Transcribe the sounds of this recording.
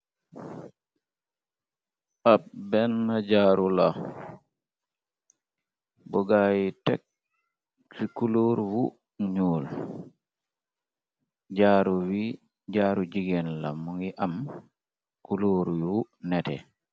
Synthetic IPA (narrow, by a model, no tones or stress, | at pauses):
ʔabbɛnːad͡ʒaːɾula | bɔɡajitɛ̰k̚ | sikuloɾwu | ɲuːl | d͡ʒaːɾuwi | d͡ʒaːɾud͡ʒiɡɛnla̰muŋiʔam | kuloɾjunɛtɛ̰